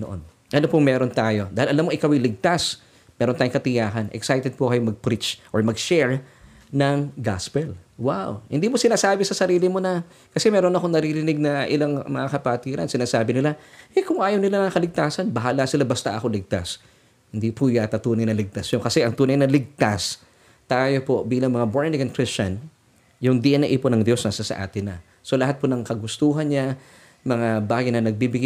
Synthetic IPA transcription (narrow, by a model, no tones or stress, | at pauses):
noʔo̰n | ʔɐnopoŋmɛːɾo̞nt̪aːjo̞d̪aːhɪlʔɐlamːoŋʔɪkɐwɪlɪɡ̚t̪as | mɛːɾont̪aːjoŋkɐt̪ɪjaːhɐnʔɛ̰ksajt̪ɛd̪̚pokɐjomɐɡ̚pɾit͡ʃʔoɹmɐɡʃɛɹ | nɐŋɡa̰spɛlwawhɪ̰nd̪iːmosɪnaːsaːbɪsɐsɐɾiːlɪmonɐ | kɐsɛmɛːɾo̞nɐkoŋnɐɾiɾɪnɪɡ̚nɐʔɪlaŋmɐŋakɐpɐt̪iːɾɐ̰nsɪnaːsaːbɪnɪlaʔɛjkʊŋʔaːjɐwnɪlanɐŋɐkɐlɪɡ̚t̪aːsɐnbɐɦaːlasɪlabɐst̪a̰ʔɐko̞lɪɡ̚t̪a̰s | hɪnd̪ipʰujat̪ɐt̪uːnɐjnɐlɪɡ̚t̪asjokɐsɛʔɐŋt̪uːnɐjnɐlɪɡ̚t̪as | t̪ajo̞po̞biːlɐŋmɐŋaboɹnɪŋɐnkɾɪst͡ʃɐn | jʊŋd̪iʔɐnɐʔiːponɐŋd̪jo̞snɐsasɐ̰ʔa̰ːt̪ɪnːɐ | so̞lɐɦat̪̚ponɐŋkɐɡʊst̪uːɦɐnɲa | mɐŋabaːɡɐjnɐnɐɡ̚bibɪɡ